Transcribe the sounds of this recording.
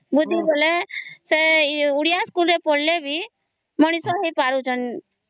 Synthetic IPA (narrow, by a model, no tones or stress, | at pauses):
bud̪ʱːiboleseʊɽijaskulɾepoɽlebʱi | məɽ̃isoɦepaɾut͡ʃən